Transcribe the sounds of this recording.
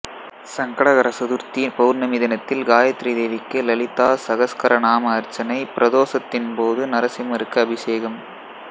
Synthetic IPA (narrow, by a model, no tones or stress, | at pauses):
sɐŋɡɐɽɐɣɐɾɐsɐðʊɾt̪ipɐʋɯɾnɐmiːðɐnɐt̪ːɪlɡaːjɐt̪ːɾid̪eːʋɪkːɯlɐlɪt̪ːaːsɐɣɐskɐɾʔɐnaːmɐːɾt͡ʃːɐnɐɪpɪɾɐðoːsɐt̪ːɪnpoːðɯnɐɾɐsɪmɐɾɯkːɐɐbɪseːɣɐm